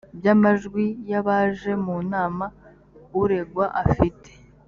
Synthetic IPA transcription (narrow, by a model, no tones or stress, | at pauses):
bjamaʒɡwijaβaːʒe̞munaːma | uɾe̞ɡwaʔafitʰe̥